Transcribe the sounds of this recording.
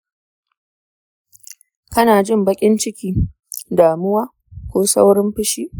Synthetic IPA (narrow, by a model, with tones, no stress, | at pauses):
kɐ˦naː˨d͡ʒɪ˦˨mbɐ˦kʲʼɪ˦nt͡ʃɪ˦kʲiː˦ | daː˨mʊ˦waː˦ | kʷoː˦sa̰˦wɽɪ˦mɸɪ˦ʃiː˦